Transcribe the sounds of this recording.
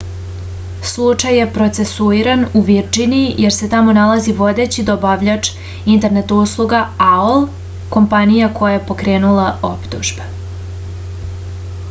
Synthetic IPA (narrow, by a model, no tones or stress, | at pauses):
slˠut͡ʂajːe̞pɾot̪se̞suiɾanuʋiɾd͡ʒinijʔeɾse̞t̪amo̞nalaziʋo̞d̪e̞t͡ɕid̪obaʋʎat͡ʂ | int̪e̞ɾne̞t̪uslˠuɡaaol | ko̞mpanijako̞jajepo̞kɾe̞ːnulˠao̞pt̪uʒbe